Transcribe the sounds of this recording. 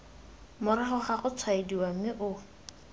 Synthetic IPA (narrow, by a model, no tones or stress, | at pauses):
mʊɾaχʊχaχʊt͡sʰwaediwam̩ɪʔʊ